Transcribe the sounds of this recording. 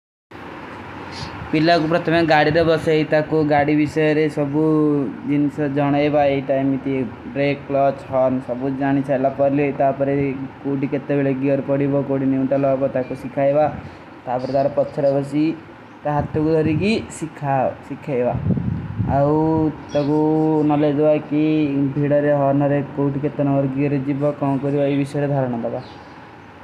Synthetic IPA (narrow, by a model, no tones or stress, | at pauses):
pilakupɾɔt̪ʰɔmeɡaɽiɾebɔsɔeɦit̪akuɡaɽibisɔjɔɾesɔbud͡ʒinsɔd͡ʒɔɽ̃ɔebaeiʈajmit̪i | bɾekːlɔt͡ʃhɔɾnsɔbud͡ʒaɽ̃it͡ʃʰajlapɔɾlit̪apɔɾekoɽiket̪ːebeɭeɡiɔɾpɔɽibɔkoɽiniuɳʈalɔbɔt̪akusikʰajba | t̪apɔɾet̪aɾɔpɔtːt͡ʃʰɔɾebɔsi | t̪aɦat̪ʰjɔkud̪ʱɔɾikisikʰːasikʰːaeba | wt̪ɔkunɔled̪bakibʱiɽɔɾeɦɔɾnɔɾekowʈiket̪ːɔnɔbɔɾɡiɔɾed͡ʒibɔkɔ̃ːkɔɾibaebisɔjɾed̪ʱaɾɔɽ̃ɔd̪aba